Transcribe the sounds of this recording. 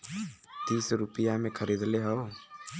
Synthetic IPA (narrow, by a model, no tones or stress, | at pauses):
t̪iːsɾupijamẽkʰəɾid̪leɦəo